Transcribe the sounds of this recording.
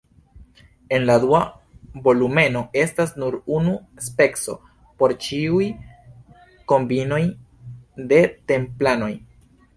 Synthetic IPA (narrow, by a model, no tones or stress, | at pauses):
e̞nladua | bo̞lume̞no̞e̞stasnuɾunu | spe̞kso̞̰ | po̞ɾt͡ʃiuj | ko̞mbino̞j | de̞te̞mplano̞j